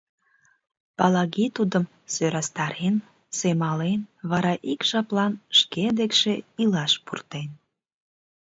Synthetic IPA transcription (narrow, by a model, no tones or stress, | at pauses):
pɑlɑɣit̪ud̪əm | søɾɑst̪ɑɾen | semɑlenβɑɾɑʔikʒ̥ɑplɑnʃked̪ekʃeilɑʃpurt̪en